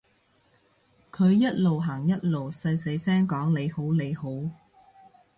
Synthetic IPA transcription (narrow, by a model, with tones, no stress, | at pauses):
kʰɵ˨˧ɥjɐ˥t̚lo˨wɦaː˨˩ŋjɐ˥t̚lo˨wsɐ˧jse˨˧˥jsɛː˥ŋkɔː˨˥ŋle˨˧jho˨˥wle˨˧jho˨˥w